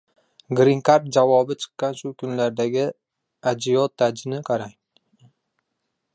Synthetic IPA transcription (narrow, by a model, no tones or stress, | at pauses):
ɡɾɪŋkaɾt̪̚d͡ʒavɒbɪt͡ʃʰɨ̥qːɑnʃʊkʰʊnlaɾd̪aɡʲɪ | ad͡ʒɪjɒt̪ʰːad͡ʒɪnɪqʰɑɾaŋ